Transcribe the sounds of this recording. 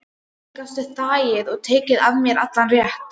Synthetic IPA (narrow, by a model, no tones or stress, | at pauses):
ɪkast̪ʏt̪aːjɪðɔɣt̪ʰeːcɪðavmjɛɾat̪lanrjɛht̪